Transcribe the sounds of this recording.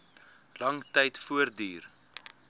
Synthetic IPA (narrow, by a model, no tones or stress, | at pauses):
lɐŋtɛjtfuərdyːr